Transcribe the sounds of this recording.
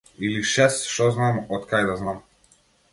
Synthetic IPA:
iliʃɛst̪ʃt̪ɔznamɔt̪kajd̪aznam

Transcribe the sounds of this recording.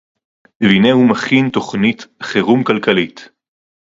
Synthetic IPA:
vinehumaχinto̞χnitχeʁumkalkalit

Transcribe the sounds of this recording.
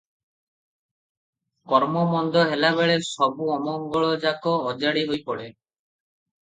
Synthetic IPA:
kɔɾmɔmɔnd̪ɔɦelaβeɭesɔbuɔmɔŋɡɔɭɔd͡ʒakɔːd͡ʒaɽiɦojpɔɽe

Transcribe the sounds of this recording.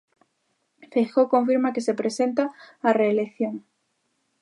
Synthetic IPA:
fexokõɱfiɾmakesepɾesent̪aareːlekθjoŋ

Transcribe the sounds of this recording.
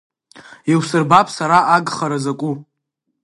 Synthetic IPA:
iwsɨrbapʼsaɾaʔaɡχaɾazakʷʼu

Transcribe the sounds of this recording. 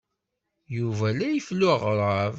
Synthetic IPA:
juvælæjəflːʊʁɾˤəv

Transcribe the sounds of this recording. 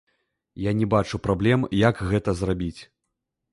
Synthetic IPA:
janʲɛbat͡ʂupɾablʲɛmjakɣɛt̪ɐzrabʲit͡sʲ

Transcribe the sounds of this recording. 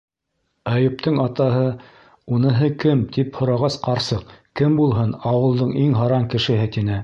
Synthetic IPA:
æjɘ̆p̚t̪ʰɤɴɑt̪ɑɦɤ | unɤ̆ɦɤkɘmt̪iphŏɾɑʁɑsqɑɾsɤqkɘmbulˠɦɤnɑwɤ̆lˠd̪ɤɴiŋɦɑɾɑŋkɘ̆ʃɘɦɘ̆t̪inɘ

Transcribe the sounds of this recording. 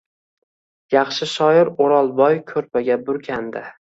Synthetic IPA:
jɑχʃɪʃɒjɪɾoɾɑlˠbɒjkʲʰɵɾpʰaɡʲabʊɾkʲʰand̪ɪ

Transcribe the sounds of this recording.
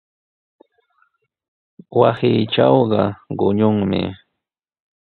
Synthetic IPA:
wasɪːʈ͡ʂawɢɑɢʊɲʊŋmɪ̰

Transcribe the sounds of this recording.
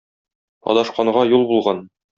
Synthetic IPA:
ɒ̰d̪ɑʃqɑɴʁɑjulˠbulˠʁɑn

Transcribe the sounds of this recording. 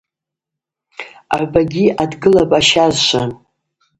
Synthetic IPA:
a̰baɡʲiadɡɨlapʼaʃazʃʷʰa

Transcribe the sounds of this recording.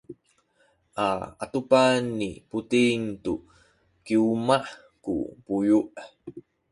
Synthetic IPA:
ʔaa̰tupanːḭputiŋtu | kiuma | kṵpujuʔ

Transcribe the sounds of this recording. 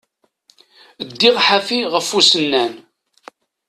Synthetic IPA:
d̪ːiʁħafiʁəfːusənːæn

